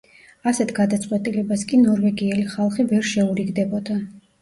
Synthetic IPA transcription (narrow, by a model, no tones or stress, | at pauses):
asɛt̪ʰɡad̪at̪sʼqʼwɛt̪ʼilɛbaskʼinɔɾvɛɡiɛliχalˠχivɛɾʃɛuɾiɡd̪ɛbɔd̪a